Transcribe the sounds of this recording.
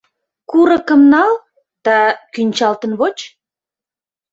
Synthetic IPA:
kuɾə̆kə̆mnɑl | d̪̥ɑkynʲt͡ɕɑlt̪ə̆nβot͡ɕ

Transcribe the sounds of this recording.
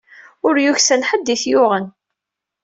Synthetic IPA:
ʊɾjuçsænħəd̪ːiθjʊʁən

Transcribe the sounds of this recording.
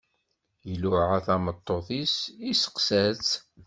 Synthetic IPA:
jəlʊʕaθæmət̪ˤːoθisisə̥qsæt͡s

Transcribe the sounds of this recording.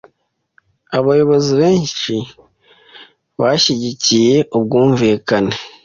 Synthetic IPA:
aβajo̞βoziβe̞ːnʃi | βaʃiɟicije̞ʔub̚ɡuːɱviːkane

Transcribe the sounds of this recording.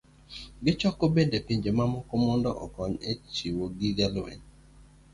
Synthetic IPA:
ɡɪt͡ʃɔkobendepiɲd͡ʒemamɔkɔmɔndɔʔɔ̰kɔɲet͡ʃiwoɡiɡɛlwɛ̰n

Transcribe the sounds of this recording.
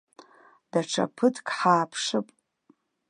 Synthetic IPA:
d̥aʈ͡ʂʰa̰pʰɨtʰkʼħaːpʰʂɨpʼ

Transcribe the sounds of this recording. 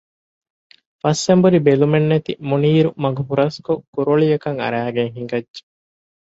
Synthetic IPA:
fɐsːembuɾibelumenːet̪imuniːɾumɐɡuɦuɾɐskokuɾoɭijɐkɐŋɐ̰ɾæːɡeŋɦiŋɡɐdd͡ʒe̥

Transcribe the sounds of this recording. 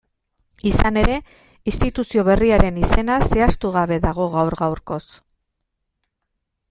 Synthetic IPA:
isane̞ɾe̞ | ist̪it̪usio̞β̞e̞riaɾe̞nise̞nase̞ast̪uɣ̞aβe̞ðaɣ̞o̞ɣawɾɣawɾko̞s

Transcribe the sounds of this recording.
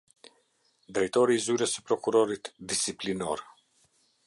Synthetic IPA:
d̪ɾɛjt̪ɔɾiːzyɾəsɛ̥pɾɔkuɾɔɾit̪d̪isiplinɔɾ

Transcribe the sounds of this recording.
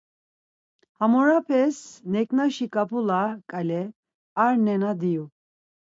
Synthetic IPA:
hamɔɾapʰɛsnɛkʼnaʃikʼapʰulakʼalɛ | aɾnɛnad̪iju

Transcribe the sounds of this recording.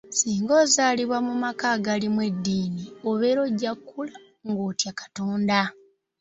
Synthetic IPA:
siːŋɡo̞ːzaːliβwamumakaɡalimwe̞dːiːnioβe̞ɾo̞ɟakːula | ŋɡoːtjakḁto̞ːnda

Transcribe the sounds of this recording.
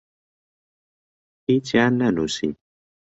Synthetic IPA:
hit͡ʃanːanusḭ

